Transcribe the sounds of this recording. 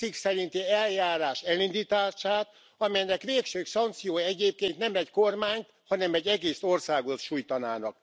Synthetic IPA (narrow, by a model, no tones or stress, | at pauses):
iksɛɾint̪iɛljaːɾaːʃɛlind̪it̪aːʃaːt̪ | ɒmɛjnɛkʋeːkʃøːksɒnt̪sijoːjɛɟeːp̚keːnt̪nɛmɛckormaːɲt̪ | hɒnɛmɛɟːɛɡeːsorsaːɡot̪ʃujt̪ɒna̰ːnɒ̰k̚